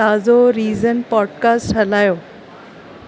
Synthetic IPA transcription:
aːzoɾiːzənpɔːɖ̚kaːsʈɦɐlaːjoː

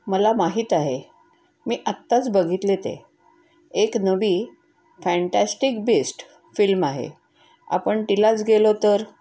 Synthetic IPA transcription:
məlamaɦiːt̪aɦe | miːʔət̪ːat͡sbəɡʱit̪let̪ḛ | eknəʋiː | fɛ̃ɳʈasʈikbesʈ | filmaɦḛ | a̰pəɳʈ̪ilat͡sɡelot̪əɾ

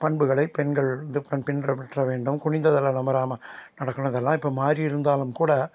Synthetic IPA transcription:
pɐɳbɯɣɐɭɐɪpɛɳɡɐɭɪnd̪ɯpːɐnpɪnrɐpɐʈrɐʋeːɳɖɯmkʊɳɪnd̪ɐðɐlːɐnɐmɐɾaːmɐnɐɽɐkːɯñɪðɐlːãːɪpːoːmaːɾijɪɾɯnd̪aːlɯmkuːɽɐ

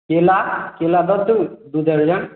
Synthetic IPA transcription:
kelakelab̪əd̪ud̪ud̪ɐɾd͡ʒɐn

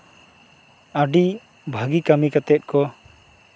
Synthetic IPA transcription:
aɖi | bʱaɡikamikat̪ɛt̪̚kɔ

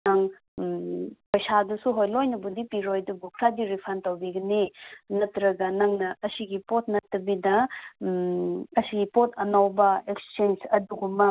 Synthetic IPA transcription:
naŋ | pɐjsadusuɦojlojnɐbudipiɾojdubukʰɾadiɾipʰantɐwbiɡɐninɐtɾɐɡɐnɐŋnɐɐsiɡipot̚nɐtːɐbidɐ | ɐsiɡipotʰɐnawbɐekst͡ʃensɐduɡumɐ

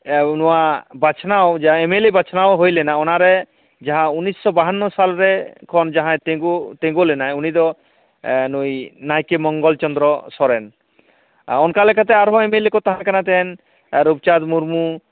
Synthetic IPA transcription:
nɔwabat͡ʃʰnawd͡ʒaemelebat͡ʃʰnawɦojlɛnaɔnaɾe | d͡ʒaɦãunːisːɔbaɦanːɔsalɾekʰɔnd͡ʒaɦãet̪eɡut̪ẽɡolɛnajunid̪ɔ | nujnajkemɔŋɡɔlt͡ʃɔnd̪ɾɔsɔɾɛn | ɔnkalɛkʰat̪̬ɛaɾɦɔ̃emelekɔt̪aɦãkanat̪ɛn | ɾub̚t͡ʃad̪muɾmu

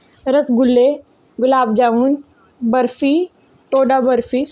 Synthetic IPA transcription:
ɾɐsɡʊlːe | ɡʊlaːbd͡ʒaːuːn | bɐɾfiː | ʈoːɖabɐɾfiː

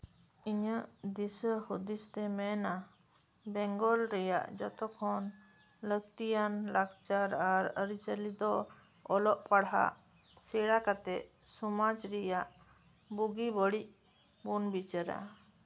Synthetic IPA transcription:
iɲəʔd̪isəhud̪ist̪ɛmɛna | bɛŋɡɔlɾɛja̰ʔd͡ʒɔt̪ɔkʰɔn | ləɡ̚t̪ijanlakt͡ʃaɾaɾəɾit͡ʃəlid̪ɔ | ɔlɔʔpaɽɦa̰ | sɛɽakat̪ɛʔ | sumad͡ʒɾɛjaʔ | buɡibɔɽiʔ | bunbit͡ʃaɾa̰

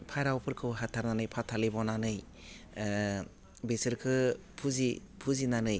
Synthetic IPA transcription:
pʰajɾawpʰɯɾkʰɯwɦatʰaɾnanɯjpʰatʰalibɔnanɯj | besɯɾkʰɯ | pʰuzi | pʰuzinanɯj

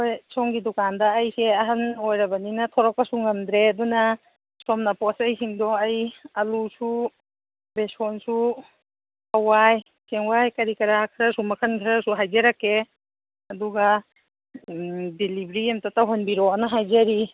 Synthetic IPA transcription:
ojsɔŋɡidɔkandɐːjseɐɦanojɾɐbaninɐtʰɔɾɔk̚pɐsuŋɡɐmd̪ɾeɐduna | sɔmnapɔsɐjɦiŋdɔajɐlusu | besɔnsu | awaj | seŋwajkɐɾikɐɾakʰɾasumɐkʰɐnkʰɾasuɦajzeɾakːe | ɐduɡa | dilibɾiemtatawɦanbiɾɔanaɦajzaɾi

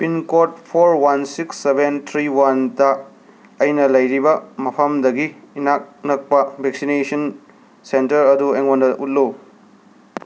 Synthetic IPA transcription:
pinkot̚pʰoɾwansiksːebent̪ʰɾiwantɐː | jnɐlɐjɾibɐmɐpʰɐmdɐɡiː | nak̚nɐk̚pɐbʱek̚sinesɐn | sentɐɾɐdueŋondɐʔut̚lo

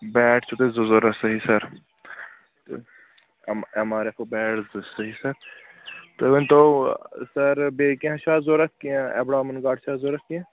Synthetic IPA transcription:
bɛːʈʰt͡ʃʰut̪ezozoɾɐsɐɦisɐɾ | t̪ | ɐmaːɾepobɛːʈzsɐɦisɐɾ | t̪oʋɐnt̪osɐɾbeːkẽɦɐ̃ʃaːzoɾɐk̪kiɛ̰bɽaːmɐnɡaːʈt͡ʃʰaːzoːɾɐkki

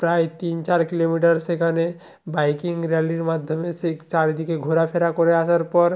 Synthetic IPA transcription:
pɾajt̪int͡ʃaɾkilomiʈəɾsekʰane | baɪkɪŋɡɾjaliɾmad̪ʱjəmeset͡ʃaɾd̪ikʰeɡʱoɾapʰeɾakɔɾeasəɾpɔɾ

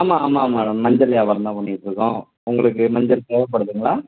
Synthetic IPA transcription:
aːmaaːmamaːɽɐmːɐɲd͡ʒɐljaːʋɐɾɐnãːpʊnːɪɪʈːɯɾɯkːõ | ʊŋɡɐɭɯk̬ːɯmɐɲd͡ʒɐlseːʋɐpːɐɽɯðɯŋɡɐɭaː

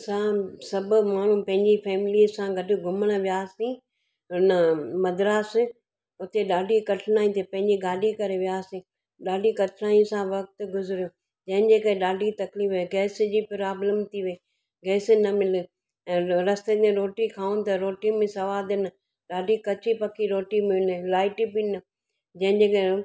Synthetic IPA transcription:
sãsɐbʊmaːɳ̤ũpɐ̃ɦɪ̃ɲd͡ʑifʰɛːmɪliːsãɡʱɐɖʊ̆ɡʱʊməɽ̃ʋijaːsĩː | ɪnəmɐd̪ɾaːs | ʊt̪eɗaːɖʱikɐʈʰnaːĩt̪ʰepɐ̃ɦɪ̃ɲd͡ʑiɡaːɖʱikɐɾeʋijaːsĩː | ɗaːɖʱikɐʈʰɾaːĩsãʋɐk̚t̪ɡʊzɪɾjoː | d͡ʑɐ̃ɦɪ̃d͡ʑeːkɐẽɗaːɖʱit̪ɐklifeɡɛːsd͡ʑiːpɾaːbləmt̪ʰiʋɐe | ɡɛːsɪnɐmɪlɪ̆̃ː | ɾɐst̪et̪ẽɾoːʈikʰaːũnt̪ɐɾoːʈimẽsɐʋaːd̪ɪnɪ | ɗaːɖʱikɐt͡ɕʰipɐkʰiɾoːʈimɪɪlɪlaːɪʈibinɪ | d͡ʑɐ̃ɦɪ̃ɲd͡ʑeːkɐ̃

